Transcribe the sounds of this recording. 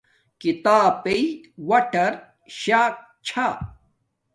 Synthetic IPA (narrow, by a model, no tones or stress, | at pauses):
kit̪aːpeit̪wɐʈɐɾ | ɕaːk̚ | t͡ɕʰa